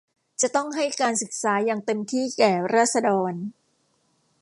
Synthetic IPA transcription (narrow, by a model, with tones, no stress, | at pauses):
t͡ɕa˨˩t̪ɔ˥˩ŋɦa˥˩jkaː˧nsɯ˨˩k̚saː˩˦jaː˧ŋt̪e˧mt̪ʰiː˥˩kɛː˨˩ɾaː˥˩t̪̚sa˧dɔː˧n